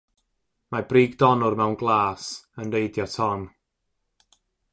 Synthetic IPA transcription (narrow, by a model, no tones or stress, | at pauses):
mabriːɡdɔnʊrmɛwnɡlˠaːsəndejdjɔtʰɔn